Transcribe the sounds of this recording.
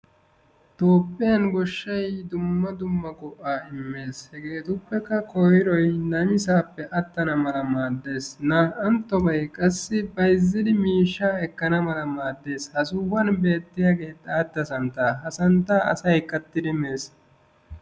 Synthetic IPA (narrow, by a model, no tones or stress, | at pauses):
t̪o̞ːpʼːɪjɐnɡɔʃːɐjd̪ʊmːɐd̪ʊmːɐɡʼɔʔːaːɪmːe̞ːshɛɡeːt̪ʊpːɛkːɐkʰɔjɪɾɔjnɐmɪsaːpːɛʔɐt̪ːɐnɐmɐlɐmaːd̪ːe̞ːsnɐʔɐnt̪ːɔbɐjkʼɐsːɪbɐjzːɪd̪ɪmiːʃːaːɛkːɐnɐmɐlɐmaːd̪ːe̞ːshɐsuːwɐnbe̞ːt̪ːɪjaɡe̞ːt̪ʼːaːd̪ːɐsɐnt̪ːaːɦɐsɐnt̪ːaːʔɐ̰sɐjkʼːɐt̪ːɪd̪ɪme̞ːs